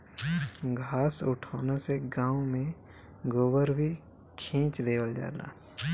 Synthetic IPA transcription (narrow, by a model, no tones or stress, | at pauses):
ɡʱaːsʊʈʰoːnaseɡãːõmẽ | ɡobəɾbʱi | kʰĩːt͡ʃd̪eːʋəld͡ʒa̰ːla̰ː